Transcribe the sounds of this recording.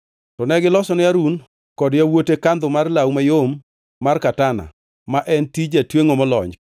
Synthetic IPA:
tɔnɛɡɪlɔsɔnɪaɾun | kɔdjawotekand̪ʊmarlawmajomː | arkatana̰ | maʔɛntid͡ʒatweŋomɔlɔ̰ɲd͡ʒ

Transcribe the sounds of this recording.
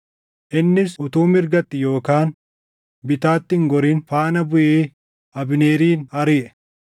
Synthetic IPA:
ʔɪnːɪsʊt̪uːmɪɾɡɐt̪ːɪjo̞ːkaːn | bɪt̪aːt̪ːɪŋɡɔɾiːnfaːnɐbʊʔeː | ʔɐbɪneːɾiːnɐɾɪʔɛ̥

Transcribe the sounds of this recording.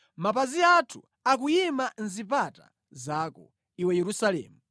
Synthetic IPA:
mapaziatʰu̥ | akujimanzipata̰ | zaːkɔ̰ | iwɛjɛɾusalɛ̰ːmu

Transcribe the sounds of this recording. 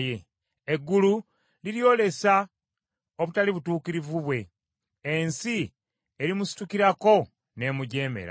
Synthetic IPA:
je | eɡːulu | liɾjo̞ːle̞sa | o̞βutaliβutuːkiɾivuβwe̞ | ensi | eɾimusi̥tukiɾako̞ | ne̞ːmuɟe̞ːme̞̰ɾa̰

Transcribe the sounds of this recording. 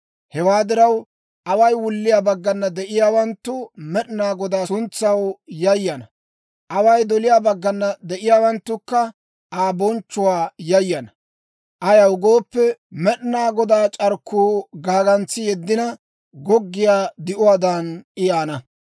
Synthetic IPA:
hɛwaːd̪ɪɾɐw | ʔɐwɐjwʊlːɪjaːbɐɡːɐnːɐd̪ɛʔɪjaːwɐnt̪ːʊmɛɗɪnaːɡɔd̪aːsʊnt͡sːɐwjɐjːɐnɐ | ʔɐwɐjd̪ɔlɪjaːbɐɡːɐnːɐd̪ɛʔɪjaːwɐnt̪ːʊkːɐ | ʔaːbɔnt͡ʃːʊwaːjɐjːɐnɐ | ʔɐjɐwɡo̞ːpːɛmɛɗnaːɡɔd̪aːt͡ʃʼɐɾkːuːɡaːɡɐnt͡sːɪjɛd̪ːɪnɐ | ɡɔɡːɪjaːd̪ɪʔʊaːd̪ɐnʔɪjaːnɐ

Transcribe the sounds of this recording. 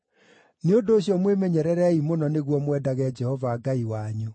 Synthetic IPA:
neondoːɕjɔmwemɛɲɛɾɛɾɛimonɔneɣwɔmwɛːdaɣɛd͡ʒɛhɔvaːɡaiwaɲo

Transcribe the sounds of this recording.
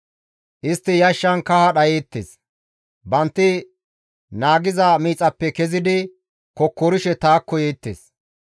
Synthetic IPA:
ʔɪst̪ːɪjɐʃːɐnkɐhɐɗɐjeːt̪ːḛs | bɐnt̪ːɪ | naːɡɪzɐmiːt͡sʼɐpːɛkɛzɪd̪ɪ | kɔkːɔɾɪʃɛt̪aːkːɔjeːt̪ːḛːs

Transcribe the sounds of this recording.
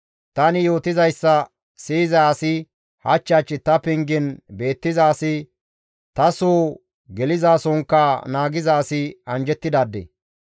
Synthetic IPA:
t̪ɐnɪjo̞ːt̪ɪzɐjsːɐ | siːzɐːsɪ | hɐ̰t͡ʃːaːt͡ʃːɪt̪ɐpɪŋɡɪnbe̞ːt̪ːɪzaːsɪ | t̪ɐsoː | ɡɛlɪzaːsɔŋkːaːnaːɡɪzaːsɪɐnd͡ʒɛt̪ːɪd̪aːd̪ːḛː

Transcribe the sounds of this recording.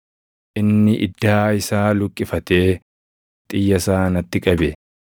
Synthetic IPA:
ʔɪnːɪʔɪ̰d̪ːaːɪsaːlʊkʼːɪfɐt̪eː | t̪ʼɪjːɐsaːnɐt̪ːɪkʼɐbɛ

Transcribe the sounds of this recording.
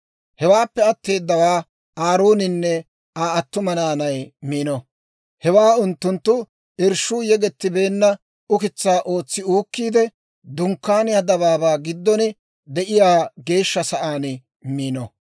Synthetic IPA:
hɛwaːpːɛɐt̪ːe̞ːd̪ːɐwaː | aːɾoːnɪnːɛ | aːɐt̪ːʊmɐnaːnɐjmiːnɔ | hɛwaːʊnt̪ːʊnt̪ːʊ | ɪɾʃuːjɛɡɛt̪ːɪbe̞ːnːɐ | ʊkɪt͡sːaːʔo̞ːt͡sːɪuːkːiːd̪ɛ | d̪ʊŋkːaːnɪɐd̪ɐβaːbaːɡɪd̪ːɔnɪ | d̪ɛʔɪjaːɡe̞ːʃːɐsɐʔaːn | miːnɔ

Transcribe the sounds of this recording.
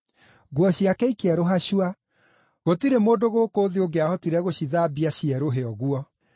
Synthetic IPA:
ɣwɔɕjakɛikɛɾoɦaɕwa | ɣotiɾemoːdoɣoːkoːðioɡeahɔtiɾɛɣoɕiðaːbiaɕiɛɾoɦeɔɣuɔ

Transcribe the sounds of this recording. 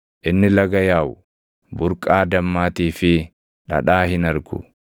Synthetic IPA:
ʔɪnːɪlɐɡɐjaːʔʊ | bʊɾkʼaːd̪ɐmːaːt̪iːfɪ | ᶑɐ̰ᶑaːhɪnɐɾɡʊ̰

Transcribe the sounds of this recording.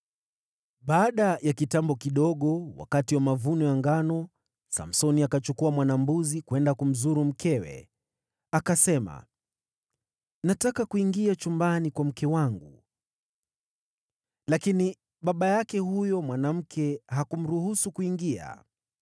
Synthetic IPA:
ɓaːɗajakitambɔkiɗɔɠɔwa̰katiwamavunɔjaŋɡanɔ | sa̰m̩sɔniakat͡ʃukuamwanambuzikwɛndakum̩zuɾum̩kɛwɛ̰ | akasɛma̰ | natakakuiŋɡiat͡ʃumbanikwam̩kɛwaŋɡu | lakini | ɓaɓajakɛhujɔmwanam̩kʰɛɦakum̩ɾuhusukuiŋɡia̰

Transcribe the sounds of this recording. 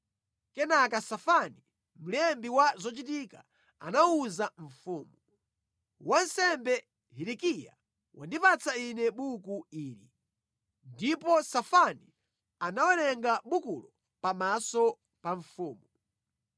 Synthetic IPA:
kɛnakasafani | m̩lɛmbiwazɔt͡ʃit̬ika | a̰nauzaɱfuːmu | wan̩sɛmbɛ | ɦiɾikija̰ | wa̰ndipat͡sʰainɛɓukuiːɾḭ | ndipɔsafani | anawɛlɛŋɡaɓukulɔ | pamasɔ | paɱfuːmu

